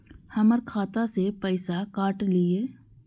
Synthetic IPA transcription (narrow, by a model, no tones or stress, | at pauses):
hɐməɾkʰaːt̪asepɛːsakaːʈlieː